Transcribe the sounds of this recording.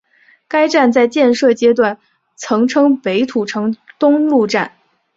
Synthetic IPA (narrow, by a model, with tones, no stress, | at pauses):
ka˥ɪʈ͡ʂa˥˧nt͡sa˥˧ɪt͡ɕjɛ˥˧nʂɤ˥˩t͡ɕjɛ˥t̪̬wa˥˩n | t͡sʰɤ˧˥ŋʈ͡ʂʰɤ˥ŋpe˧˥ɪt̪ʰu˨˩ʈ͡ʂʰɤ˧˥ŋt̪ʊ˥ŋlu˥˧ʈ͡ʂa˥˩n